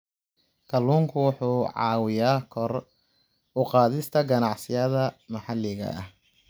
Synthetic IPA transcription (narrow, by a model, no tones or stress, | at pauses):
kʰɐlːuːŋkʰʊwʊħuːʕɑ̰ːwɪjaːkʰɔr | ʊqɑːðɪst̪ʰɐɡɐnɑʕsɪjɐðɐmɐħɑlːɪɣɐ̰ɐ̰h